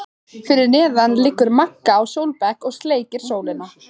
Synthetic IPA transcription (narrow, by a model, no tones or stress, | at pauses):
fɪɾɪɾnɛːðanlɪkːʏɾmakːaːwsowlpɛkɔɣst̪leːjcɪɾ̥soːwlɪnːa